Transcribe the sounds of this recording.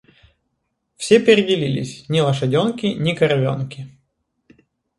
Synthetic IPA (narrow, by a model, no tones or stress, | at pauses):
fsʲepʲɪɾʲɪdʲɪlʲilʲɪ̰sʲnʲɪlˠɐʂɐdʲonkʲɪnʲɪkɐɾvʲo̰nkʲɪ